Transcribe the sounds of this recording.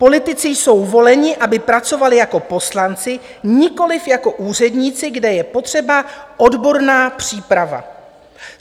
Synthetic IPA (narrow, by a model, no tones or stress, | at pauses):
po̞lɪt̪ɪt͡sɪjso̞wvo̞lɛɲɪʔabɪpɾat͡so̞valɪjako̞po̞slant͡sɪɲɪko̞lɪfjako̞ʔuːr̝ɛdɲiːt͡sɪɡdɛjɛpo̞t̪r̝̥ɛbaʔo̞dbo̞ɾnaːpr̝̥iːpɾava̰